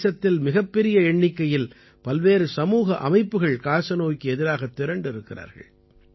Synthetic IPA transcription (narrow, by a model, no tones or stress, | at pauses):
sɐt̪ːɪlmɪɣɐpːɛɾɪjɐɛɳːɪkːɐjɪl | pɐlʋeːɾɯsɐmuːɣɐʔɐmɐɪpːɯɣɐɭkaːɾsɐnoːkːɯɛðɪɾaːɣɐt̪ːɪɾɐɳɖɪɾɯkːɪɾa̰ːɾɣɐ̰ɭ